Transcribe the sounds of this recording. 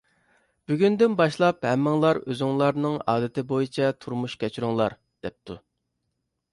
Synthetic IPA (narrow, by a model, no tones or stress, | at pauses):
b̥yɡʲynd̪ynbɑʃlˠɑphɛmːɪŋlˠɑɾøzyŋlˠɑɾnɨŋɑ̰ːd̪ɪt̪ʰɪbojit͡ʃʰɛt̪ʰuɾmuʃkʲɛt͡ʃʰyɾuŋlˠɑɾ | d̪̥ɛp̚t̪ʰu